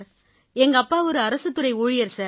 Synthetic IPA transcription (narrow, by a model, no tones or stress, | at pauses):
ɾ | ɛŋɡɐɐpːaːɔɾɯɐɾɐsɯt̪ːɯɾɐɪuːɻɪjɐɾsaːɾ